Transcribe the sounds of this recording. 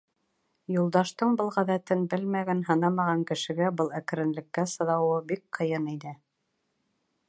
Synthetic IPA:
julˠd̪ɑʃt̪ɤɴbɤlˠʁæðæt̪ɘnbɘlmæɡænɦɤ̆nɑmɑʁɑŋkɘ̆ʃɘ̆ɡæbɤlˠækɘ̆ɾɘ̆nlɘ̆kːæsɤ̆ðɑwɤbik̚qɤ̆jɤnid̪ɘ

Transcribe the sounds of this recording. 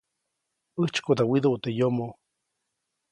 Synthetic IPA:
əht͡ʃkot̪awiðoʔut̪ejomo

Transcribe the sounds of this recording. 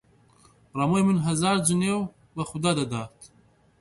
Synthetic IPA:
rɑmoːjmɨnɦɐzɑːɾd͡ʒɨneːw | bɐxʊd̪ɑːd̪ɐd̪ɑːt̪

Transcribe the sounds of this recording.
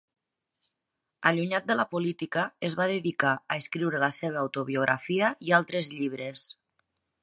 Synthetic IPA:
əʎuɲat̪̚d̪ələpulit̪ikəəzβaðəðikaəeskɾiwɾələseβ̞əːwt̪uβ̞iuɣ̞ɾʔa̰fiəialˠt̪ɾezʎiβ̞ɾes

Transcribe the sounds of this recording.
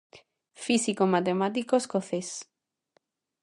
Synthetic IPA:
fisikomat̪emat̪̬ikoskoθes

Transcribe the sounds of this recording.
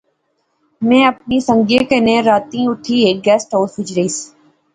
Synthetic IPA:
mɛ̃ːəpniːsə̃ŋɡeːkeːnẽːɾaːt̪ĩːʊʈʰiːeːk̚ɡɛːsʈoːsʊd͡ʒɾeiːs

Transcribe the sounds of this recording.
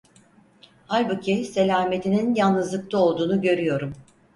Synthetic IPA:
haɾʲbucʰise̞lʲaːme̞t̪ʰininjalnɯzˠɯk̚t̪ʰao̞lˠd̪uːnuɟø̞ɾyjo̞ɾum

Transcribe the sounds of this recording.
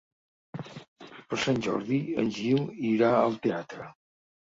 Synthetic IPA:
pəsanʲʒɔ̰ɾðiə̰nʲʒiwiɾaəlˠt̪eat̪ɾə

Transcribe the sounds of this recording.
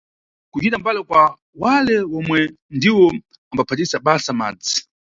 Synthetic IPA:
kut͡ʃitam̩balɛkwa | walɛwɔmwɛ | ndiwɔ | ambapʰatisaɓasama̰ːd͡zi

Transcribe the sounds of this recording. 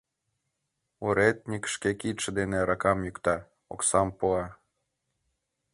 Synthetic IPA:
uɾet̪̚nʲikʃkekit̪ʃə̆d̪eneɾɑkɑmjykt̪ɑ | o̰ksɑmpuɑ

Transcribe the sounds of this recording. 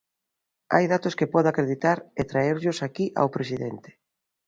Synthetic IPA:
a̰jðat̪ʊskepɔðʊakɾeðit̪aɾet̪ɾaeɾʎʊsakiʔa̰wpɾesiðḛnt̪ɪ̥

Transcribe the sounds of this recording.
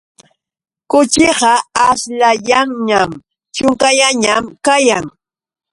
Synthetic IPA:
kʊt͡ʃɪɢɑasʎaʎaŋɲam | t͡ʃʊŋkajaɲamkajaŋ

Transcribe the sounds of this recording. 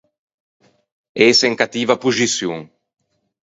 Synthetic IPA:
ɛseŋkat̪iːvapuʒisjuŋ

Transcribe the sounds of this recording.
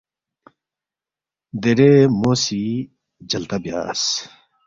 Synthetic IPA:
d̪eɾemosi | d͡ʑɐlt̪ɐbja̰ːs

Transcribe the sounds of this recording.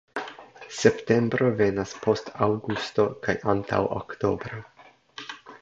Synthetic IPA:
se̞pte̞mbɾo̞ve̞naspʰo̞stawɡusto̞kajʔantʰa̰wo̰kto̞bɾo

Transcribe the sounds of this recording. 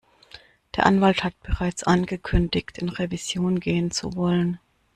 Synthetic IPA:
d̥eːɐʔanvalthat̚b̥əʁaɪt͡sʔanɡəkʰʏndɪçtɪnʁevizjoːnɡeːənt͡sṵvɔlən

